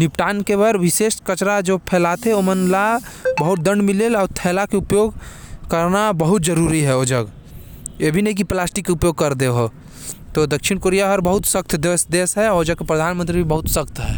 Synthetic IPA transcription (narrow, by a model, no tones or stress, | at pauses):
nɪpʈaːnkeʋəɾʋɪseːʃkət͡ʃɾad͡ʒoːpʰɛːlaːt̪eɛomənlabəɦʊt̪̚d̪ə̃ɳɖmɪlelɔːɾt̪ʰɛːlakeʊpjoːɡkəɾnabəɦʊt̪d͡ʒəɾuɾiɦɛoːd͡ʒəɡ | jebʱinɐɦĩk̬iplaːsʈikːeʊpjoːɡ̚kɐɾd̪eɦo | t̪od̪ɐkʃɪɽ̃koːɾijaɦɐɾbəɦʊt̪sək̚t̪ʰd̪eʋəsd̪eːsɦɛoːd͡ʒəɡ̚kepɾəd̪ʱaːnmə̃nt̪ɾibʱibɐɦʊt̪səkt̪ɦɛ̰ː